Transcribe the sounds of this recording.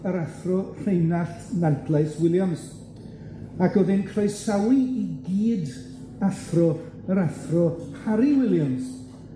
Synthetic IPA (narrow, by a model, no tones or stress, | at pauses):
əɾaθrɔr̥ejnaθnantʰlˠajswɪlˠjɔns | akɔðɪnkʰrajsawiiɡiːd | aθrɔ | əɾaθrɔhaɾiwɪlˠjɔns